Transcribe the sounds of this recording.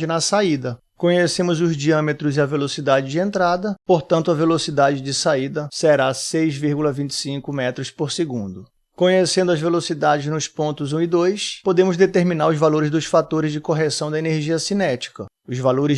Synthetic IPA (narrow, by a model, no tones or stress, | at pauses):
ɪnɐsaid̪ɐ | kõɲesẽmʊzʊzd͡ʒiɐ̃met̪ɾʊzɪɐvelosid̪ad͡ʒɪd͡ʒɪẽnt̪ɾad̪ɐpoɾt̪ɐ̃nt̪ʊɐvelosid̪ad͡ʒɪd͡ʒɪsaid̪ɐseɾasejzviɾɡulɐvĩt͡ʃɪ̥sĩŋkʊmɛt̪ɾʊspoɾseɡũnd̪ʊ | kõɲesẽnd̪ʊɐzvelosid̪ad͡ʒɪznʊspõnt̪ʊzũid̪ojspod̪ẽmʊzd̪et̪eɾminaɾʊzvaloɾɪzd̪ʊsfat̪oɾɪzd͡ʒɪkoɦesɐ̃w̃d̪ɐeneɾʒiɐsinɛt͡ʃi̥kɐ | ʊzvaloɾɪ